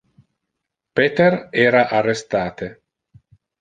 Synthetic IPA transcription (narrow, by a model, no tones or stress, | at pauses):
pet̪erɛːɾaʔarːest̪aːt̪e